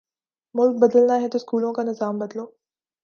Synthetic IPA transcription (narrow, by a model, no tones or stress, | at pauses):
mʊlk̚bɐd̪əlnaɦɛt̪oskuːlõkanɪzaːmbɐd̪loː